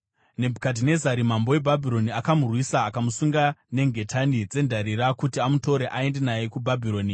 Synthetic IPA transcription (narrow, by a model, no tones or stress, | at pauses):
ne̞bʱukadine̞zaɾimambo̞e̞bʱabʱiɾo̞niakamurwisaːkamusuŋɡane̞ŋɡʱe̞tʰanid͡ze̞ndʱaɾiɾakutiamuto̞ɾeʔae̞nde̞najekubʱabʱiɾo̞ːni